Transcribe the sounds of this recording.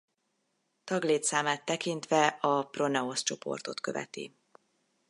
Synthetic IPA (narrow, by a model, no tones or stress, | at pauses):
t̪ɒɡleːt̪saːmaːt̪ːɛkint̪ʋɛɒpro̞nɛo̞st͡ʃo̞pʰo̞̰rt̪o̞t̪kø̞vɛ̰t̪ḭ